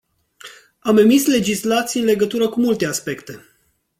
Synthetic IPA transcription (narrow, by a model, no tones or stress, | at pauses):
ame̞misle̞d͡ʒislat̪siːɨnle̞ɡət̪uɾəkumult̪e̞aspe̞kt̪e̞